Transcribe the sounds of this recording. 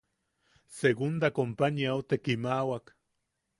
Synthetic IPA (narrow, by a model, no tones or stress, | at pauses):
seɣund̪akompaniaot̪ekimawak